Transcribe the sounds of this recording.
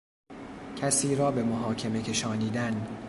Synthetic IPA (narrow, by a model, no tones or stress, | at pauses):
cʰæsiːɾɒːbe̞moɦɒːcʰeme̞cʰe̞ʃɒːniːd̪æn